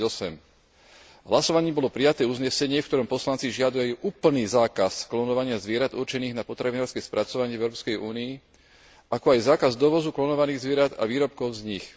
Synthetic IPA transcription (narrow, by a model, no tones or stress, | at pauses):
ɔsɛm | ɦlasɔʋaɲiːmbɔlɔpɾijat̪ɛːuzɲɛsɛɲɪɛfkt̪ɔɾɔmpɔslant͡siʒɪad̪uajuʔuːpl̩niːzaːkasklɔnɔʋaɲɪazʋɪɛɾad̪ṵɾt͡ʃɛniːɣnapɔt̪ɾaʋinaːɾskɛjspɾʔat͡sɔʋaɲɪɛvɛʊɾɔpskɛjuːniː | ʔakɔajzaːkazd̪ɔʋɔzuklɔnɔʋaniːɣzʋɪɛɾad̪a̰ʋiːɾɔp̚kɔʊzɲix